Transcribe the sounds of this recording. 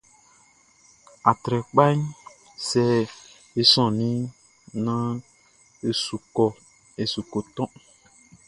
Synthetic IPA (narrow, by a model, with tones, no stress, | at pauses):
a˨t̪ɾɛ˨k͡pa˦ɲ | sɛ˦ | e˦sɔ̃˨nĩ˦ | nã˦ | e˦˨su˨kɔ˨ | e˨su˨ko˨t̪ɔ̃˦